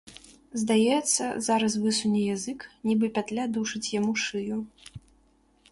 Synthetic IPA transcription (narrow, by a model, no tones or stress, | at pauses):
zd̪ajɛt̪sːɐ̰zaɾɐs̬vɨsunʲɛjazɨknʲibɨpʲat̪lʲad̪uʂɨt͡sʲjamuʂɨju